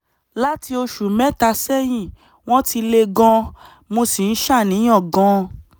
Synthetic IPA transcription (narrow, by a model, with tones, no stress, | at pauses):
la˦ti˧o˧ʃu˨mɛ̃˦ta˧sɛ˦j̃ĩ˦˨ | w̃ɔ̃˦ti˧le˧ɡɔ̃˧ | mo˧si˨n̩˦ʃa˦˨nĩ˨˦ɔ̃˦˨ɡɔ̃˧˦